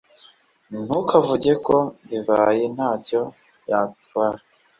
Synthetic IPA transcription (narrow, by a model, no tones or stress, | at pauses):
n̥ukʰavuɟe̞ko̞biβaje̞n̥haːɟo̞ | jatwaːɾa